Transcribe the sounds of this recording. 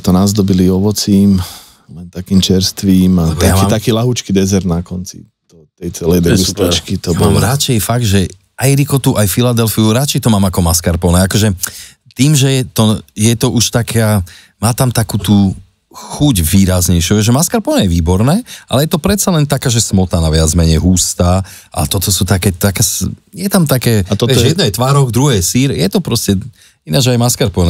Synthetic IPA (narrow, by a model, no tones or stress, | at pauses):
t̪ɔnazd̪ɔbiliɔʋɔt͡siːm | lɛnt̪akiːmt͡ʃɛɾst̪ʋiːmat̪aait̪akiːlaɦut͡ʃkid̪ɛzɛɾd̪nakɔnt͡sḭ | d̪̥ɔt̪ɛjt͡sɛlɛjd̪ɛɡust̪it͡ʃkit̪ɔbɔlɾat͡ʃɛjfaɡd̪ʒɛ | ajɾikɔt̪uʔajfilad̪ɛlfiuɾat͡ʃɛjt̪ɔmaːmakɔmaskaɾpɔnɛakɔʒɛ | t̪iːmʒɛjɛt̪ɔjɛt̪ɔʔuʃt̪akʰɛa | maːt̪amt̪akut̪uː | xuɟʋiːɾazɲɛjʃjuɛʒɛmaskaɾpɔnɛjɛʋiːbɔɾnɛːʔa̰lɛjɛt̪ɔpɾɛt̪t͡salɛnt̪akaːʒɛsmɔt̪anaʋɪad͡zmɛɲɛɦuːst̪aː | ʔa̰t̪ɔt̪ɔsut̪akɛt̪akasjɛt̪amt̪akɛːat̪ɔɛɔjɛd̪nɛjɛt̪ʋaːɾɔɣd̪ɾuɦɛːsiːɾjɛt̪ɔpɾɔscɛ | inad͡ʒajmaskaɾpɔnɛ